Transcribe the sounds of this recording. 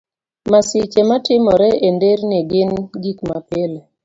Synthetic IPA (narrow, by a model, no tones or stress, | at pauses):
masɪt͡ʃematɪmɔɾɛendeɾnɪɡɪnɡikmapɪle